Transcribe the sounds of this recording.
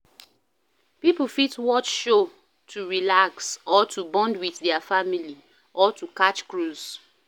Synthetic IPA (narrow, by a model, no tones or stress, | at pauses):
pipl̩fitwɔt͡ʃʃo | tʰuɹilaksɔtʰubɔ̃ndwiθðɛəfamili | ʔɔtʰukat͡ʃkɹuz̥